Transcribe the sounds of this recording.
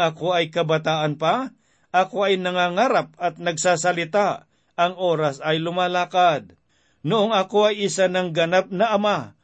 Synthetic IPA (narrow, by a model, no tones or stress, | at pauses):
ɐkoɐjkɐbɐt̪aːʔɐnpa | ʔɐko̞ɐjnɐŋaːŋaɾap̚ɐt̪̚nɐɡsaːsɐlɪt̪a | ʔɐŋʔo̞ːɾasɐjlʊmaːlaːkad̪̚ | nʊʔoŋɐkoɐjʔɪsanɐŋɡɐnap̚nɐʔɐma